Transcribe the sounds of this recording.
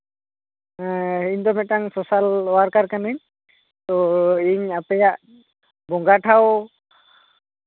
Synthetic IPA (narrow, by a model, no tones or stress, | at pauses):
iɲd̪ɔmɛtaŋsɔsalɔwaɾkaɾkaniɲ | t̪ɔiɲapɛjaʔ | bɔŋɡaʈʰaw